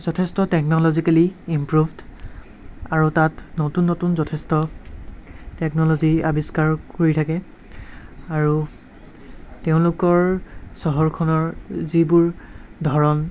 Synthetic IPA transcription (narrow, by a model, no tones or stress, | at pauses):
zɔtʰɛstɔtɛknɔlɔzikaliimpɹuvd | aɹutatnotunːotunzɔtʰɛstɔ | tɛknɔlɔziabiskaɹkoɹitʰakɛ | aɹu | teʊ̃lʊkɔɹsɔɦɔɹkʰɔnɔɹzibuɹdʱɔɹɔn